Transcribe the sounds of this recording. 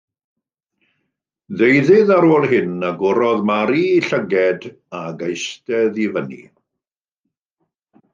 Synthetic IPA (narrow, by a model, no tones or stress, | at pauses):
ðejðɪðaɾoːlˠɦɪnaɡɔɾɔðmaɾiːɬəɡɛd | aɡejstɛðivənḭ